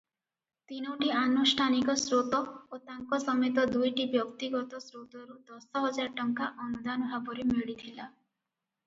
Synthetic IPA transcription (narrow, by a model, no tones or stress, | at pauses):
t̪inɔwʈianusʈʰanikɔsɾot̪ɔot̪aŋkɔsɔmet̪̬ɔd̪ujʈibjɔkt̪iɡɔt̪ɔsɾot̪ɔɾud̪ɔsɔɦɔd͡ʒaɾʈɔŋkaʔɔnud̪anɔbʱabɔɾemeɽit̪ʰila